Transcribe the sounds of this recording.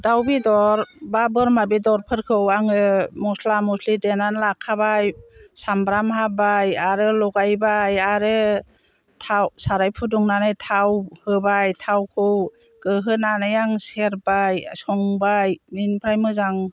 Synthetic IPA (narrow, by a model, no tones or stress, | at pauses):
dawbidɔɾbabɯɾmabidɔɾpʰɯɾkʰɯwaŋɯmɔslamuslidenanlakʰːabajsambɾamhabajaɾɯlɔɡajbajaɾɯ | tʰawsaɾajpʰuduŋnanɯjtʰawhɯbajtʰawkʰɯw | kɯɦɯnanajaŋseɾbajsɔŋbajminpʰɾajmɯzaŋ